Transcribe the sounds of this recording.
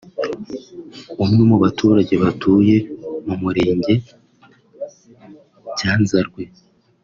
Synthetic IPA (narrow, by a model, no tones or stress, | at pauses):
umɲumuβatʰuːɾaɟe̞βatʰuːje̞mumuɾe̞ːɲɟe̞ | ɟaːnzaɾɡwe̞